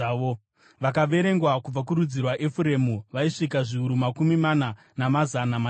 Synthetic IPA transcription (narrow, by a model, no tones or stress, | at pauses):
ʋo | ʋakaʋe̞ɾe̞ŋɡwakub͡vak̬uɾud͡zirwaʔefuɾe̞muʋaiʂikaʐiuɾumakumimana | namazanama